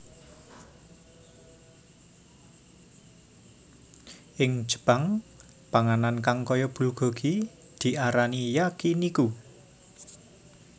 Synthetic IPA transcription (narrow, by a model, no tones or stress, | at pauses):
ʔɪŋ̥ʒ̥ə̤̥b̥aŋ | paŋanankaŋkɔjɔb̥uluɡ̥ɔ̤ɡ̥i | d̪̥i̤ʔaɾanijakiniku